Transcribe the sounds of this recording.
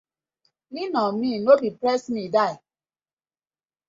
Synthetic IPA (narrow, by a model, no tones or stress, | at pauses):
ninɔminobipɾɛsmidaɪ